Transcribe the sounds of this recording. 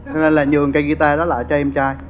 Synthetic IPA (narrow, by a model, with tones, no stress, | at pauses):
t͡ɕɔ˧ne˧nlaː˨˩ɲɨ˨˩əŋkaː˨˦jɣi˧t̪aː˧ɗɔ˨˦laː˧˩t͡ɕɔ˧ʔɛ˧mt͡ɕaː˧j